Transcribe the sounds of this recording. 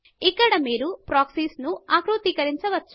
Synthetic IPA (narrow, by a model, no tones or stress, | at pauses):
ikːɐɽɐmiːɾupɾaːksiːsnuaːkɾut̪ikɐɾiɲt͡ʃɐʋɐt͡ʃːu̥